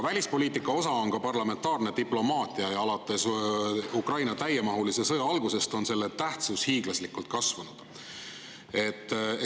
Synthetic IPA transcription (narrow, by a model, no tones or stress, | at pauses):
vælʲispo̞lʲiːt̪ikːˑɑo̞sɑo̞nkɑpɑrlɑme̞nt̪ˑɑːrned̪̥iplo̞mɑːt̪ˑiɑejɑlɑt̪ːˑesukrɑjnɑt̪æjemɑɦulisesɤjɑɑlɡuse̞st̪o̞nse̞lːet̪æht̪sushiːɡ̥lɑslikult̪̚kɑsvɑnud̪̥ | e̞t̪ːˑ